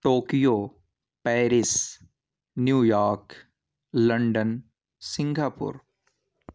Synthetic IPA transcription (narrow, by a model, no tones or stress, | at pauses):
ʈoːkijoː | pɛːɾɪs | njuːjaːɾk | lɐ̃ɳɖən | sɪ̃ŋɡʱaːpʊ̰ɾ